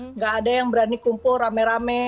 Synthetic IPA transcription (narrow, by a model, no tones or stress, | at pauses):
ŋɡaːdajaŋbəɾanikumpʊramɛɾamɛ